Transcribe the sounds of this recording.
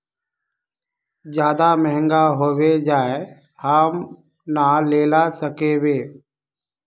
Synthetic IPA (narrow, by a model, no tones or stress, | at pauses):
d͡ʒjaːd̪amɛɦə̃ŋɡaɦoːwed͡ʒaːe | həm | naleːlasəkeweː